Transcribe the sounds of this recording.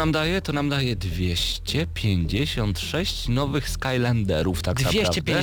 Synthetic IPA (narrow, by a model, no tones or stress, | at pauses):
amd̪ajɛt̪ɔnamd̪ajɛd̪vʲjeɕt͡ɕɛpʲjeɲd͡ʑeɕɔnt̪ʂɛɕt͡ɕnɔvɘxskajland̪ɛɾuft̪ak̪avʲjeɾat͡ɕɛvdʲɛ